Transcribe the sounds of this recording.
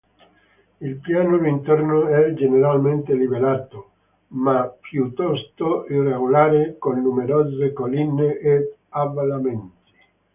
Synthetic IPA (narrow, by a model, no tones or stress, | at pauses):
ilpjaːnoɾint̪ornoɛd͡ʒeneɾalment̪elibelaːt̪o | mapjut̪ːɔst̪oireɡolaːɾekonːumeɾɔːzekolinːeʔeavalament̪i̥